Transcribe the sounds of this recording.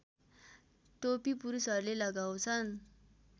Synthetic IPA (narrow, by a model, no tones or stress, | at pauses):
ʈopipuɾusʌɾlelʌɡawt͡sʰʌn